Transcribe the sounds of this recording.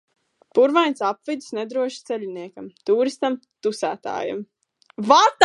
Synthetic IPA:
puɾvajnsapvid̪snɛd̪ɾuɔʃt̪sɛʎʲiniɛkɐmt̪uːɾist̪am | t̪usæːt̪a̰ːja̰m | vat̪

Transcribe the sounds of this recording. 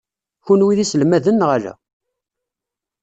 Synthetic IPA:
çunwiðislmæðənːʁalæ̰

